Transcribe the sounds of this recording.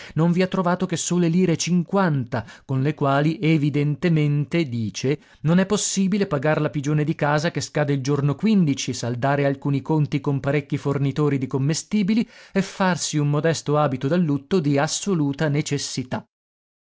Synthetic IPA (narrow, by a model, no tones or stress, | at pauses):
noɱviat̪ːɾovaːt̪ok̟esːoːleliːɾet͡ʃiŋkwant̪akonlekwaːlievid̪ent̪ement̪ed̪iːt͡ʃe | nonɛpːosːiːbilepaɡaɾlapid͡ʒoːned̪ikaːzakeskaːd̪eild͡ʒornokwind̪it͡ʃisald̪aːɾealkuːnikont̪ikompaɾekːifornit̪oːɾid̪ikomːest̪iːbiliefːarsiumːod̪ɛst̪oaːbit̪od̪alːut̪ːod̪iasːoluːt̪anet͡ʃesːit̪a